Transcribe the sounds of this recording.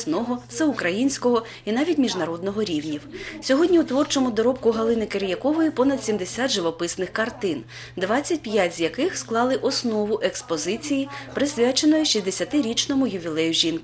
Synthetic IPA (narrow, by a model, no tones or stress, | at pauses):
snɔɦɔt̪sɛʊkɾɐjinʲsʲkɔɦɔ | inɑʋʲitʲmʲiʒnɐɾɔd̪nɔɦɔɾʲiwnʲiwsʲɔɦɔdʲnʲiut̪ʋɔrt͡ʃɔmʊd̪ɔɾɔpkʊɦɐlˠɪnɪkeɾjɐkɔʋɔjipɔnɐd̪sʲimd̪esʲat̪ʒɪʋɔpɪsnɪxkɐrt̪ɪn | d̪ʋɑt͡sʲːɐtʲpjatʲzʲjɐkɪxsklˠɑlˠɪʔɔsnɔʋʊʔekspɔzɪt͡sʲijipɾɪsʲʋʲat͡ʃenɔjʊʃʲizʲd̪esʲɐt̪ɪɾʲit͡ʃnɔmʊjʊʋʲilˠɛjʊʒʲinkɪ